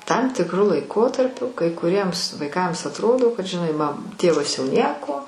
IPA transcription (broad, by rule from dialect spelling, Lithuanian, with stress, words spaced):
tɐm tʲɪkˈrʊ lˠɐɪˈkoːtɐrʲpʲʊ kɐɪ kʊˈrʲiɛms ʋɐɪˈkɐms ɐtˈroːdoː kɐt ʒʲɪˈnɐɪ mɐ ˈtʲeːʋɐs jɛʊ ˈnʲiɛkoː